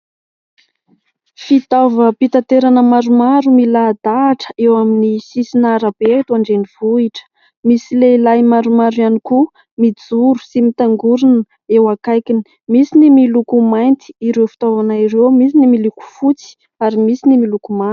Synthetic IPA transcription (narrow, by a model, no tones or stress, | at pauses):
fit̪avəpit̪at̪eɾanəmaɾumaɾumilad̪̥aːʈ͡ʂə̥ewaminisisinaɾəb̥eat̪uaɳɖ͡ʐeniv̥uiʈ͡ʂə̥ | misileilajmaɾumaɾujaniku | mid͡zuɾu̥simit̪aŋɡuɾunə | ewakajkini̥ | misinimilukumajnt̪i̥iɾewfi̥t̪avanaiɾewmisinimiluku̥fut͡si̥ | aɾimisinimilukuma